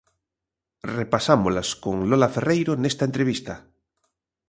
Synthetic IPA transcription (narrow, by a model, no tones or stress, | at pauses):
repasamolaskoŋlolaferejɾonest̪aent̪ɾeβist̪a